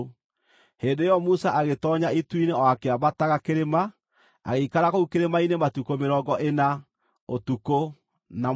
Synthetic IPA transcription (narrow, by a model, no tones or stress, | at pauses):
heːndejɔmusaʔaɣetɔɲaituineɔakeaβataɣakeɾema | a̰ɣeikaɾakoukeɾemainematukomeɾɔːɡɔʔena | otuko | na